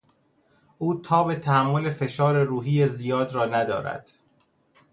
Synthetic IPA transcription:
ʔuːt̪ʰɒːbet̪ʰææmːolefe̞ʃɒːɾeɾuːɦijezijɒːd̪ɾɒːnæd̪ɒ̰ːɾæ̰d̪̥

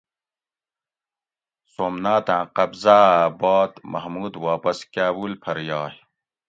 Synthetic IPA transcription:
soːmnaːt̪ãːqɐbzaːaːbɑːt̪mʔɐ̰ɦmuːd̪waːpɐskaːwulpʰɐɾjɑːh

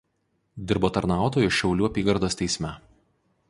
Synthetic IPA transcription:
d̪ʲɪɾboːt̪ɐɾnɑˑʊt̪oːjʊʃʲɛʊlʲuːɐpʲiːɡɐɾd̪oːst̪ʲɛɪsʲmʲɛ

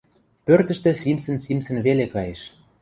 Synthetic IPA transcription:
pørt̪ə̆ʃt̪ĕsimsə̆nsimsə̆nβelekɑjeʃ

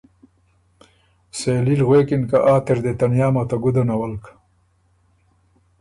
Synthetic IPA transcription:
seːlilɣweːkinkaʔaːt̪eɾd̪et̪ɐnjaːmat̪aɡud̪ɐnɐwɐlk

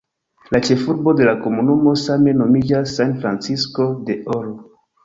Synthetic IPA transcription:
lat͡ʃe̞fuɾbo̞de̞lako̞munumo̞same̞no̞mid͡ʒasːanfɾant͡sisko̞de̞ʔolo

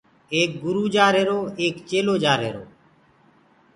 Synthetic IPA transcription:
eːk̚ɡʊɾuːd͡ʒaːɾɦeːɾoːeːkt͡ʃeːloːd͡ʒaːɾɦḛːɾoː

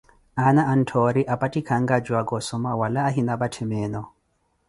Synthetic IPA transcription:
anaan̩tʰɔɾiʔapatikʰaŋɡad͡ʒwaɡɔsɔmawalaːɦinabatʰɛmɛnɔ

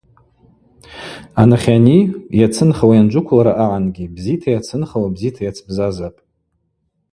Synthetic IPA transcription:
anaχʲanijat͡sʰɨnχawajand͡ʒʷʊkʷʰlaɾaʔaʕanɡʲibzitʰajat͡sʰɨnχawabzitʰajat͡sʰbzazapʼ

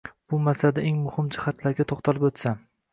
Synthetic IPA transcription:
b̥ʊmasad̪aeŋmʊhɪmd͡ʒɪχat̪laɾɡʲat̪ʰoχt̪ʰalɪpot̪sa

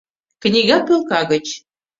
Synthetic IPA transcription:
knʲiɣɑpɤlˠkɑɣə̆t͡ɕ

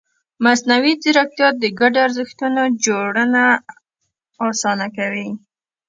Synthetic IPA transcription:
masnawizɪɾak̚t̪jɑt̪̚d̪əɡaɖoaɾzəxt̪unod͡ʒoɽəna | sɑnakawi

